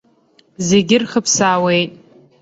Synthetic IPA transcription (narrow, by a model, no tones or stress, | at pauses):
zeɡʲɪrχəpʰsaːwe̞jtʼ